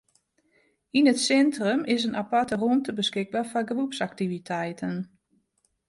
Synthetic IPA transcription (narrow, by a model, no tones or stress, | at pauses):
inətsɛntrəmʔɪsənʔapartəruəntəbəskɪɡ̚baːfaɡərupsak̚tivitʰɛjtʰən